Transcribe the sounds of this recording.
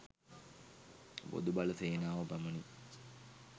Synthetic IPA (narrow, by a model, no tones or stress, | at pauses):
bo̰d̪ubaluseːnaːʋɐbæmɐni